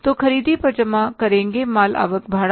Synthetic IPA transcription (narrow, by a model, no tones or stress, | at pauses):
t̪okʰəɾiːd̪ʱipəd͡ʒəmãkəɾẽːŋɡemaːla̰ːʋəkbʱaːɽ